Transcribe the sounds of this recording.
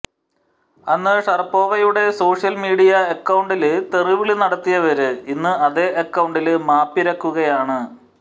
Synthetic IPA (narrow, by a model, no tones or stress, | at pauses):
ɐnːɨʂɐrɐpːo̞ːɣɐjuɽe̞so̞ːʂjɐlmiːɽijɐekːɐwɳɖilɨt̪eriʋiɭinɐɽɐt̪ːijɐʋɐɾɨinːɨɐðeːʔekːɐwɳɖilɨmaːpːiɾɐkːuɣɐjaːɳɨ